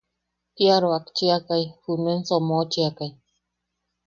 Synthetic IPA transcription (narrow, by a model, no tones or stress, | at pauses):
piaɾoakt͡ʃiakajhunensomot͡ʃiakaj